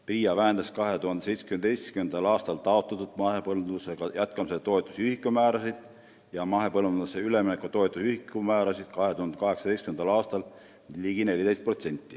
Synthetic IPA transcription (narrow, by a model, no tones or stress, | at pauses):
priːjɑvæɦend̪ɑskɑɦe̞t̪uhɑnd̪ese̞jt̪se̥kymnd̪t̪ejskymend̪̥ɑlɑːst̪ɑlt̪ɑo̞t̪ːˑɑt̪ːud̪̥mɑhepɤld̪useɡ̥ɑjæt̪kɑmiset̪o̞et̪ːˑu̥syhikːˑumæːɾɑsid̪̥ | jɑmɑɦe̞pɤlvuuseyleminekːut̪o̞et̪ːˑusyhikːumæːɾɑsid̪̥kɑɦe̞t̪uhɑnd̪ekɑɦe̞ksɑt̪e̞jst̪kymend̪ɑlɑːst̪ɑl | liːɡine̞lʲːit̪e̞jst̪pro̞t̪senʲt̪ːˑi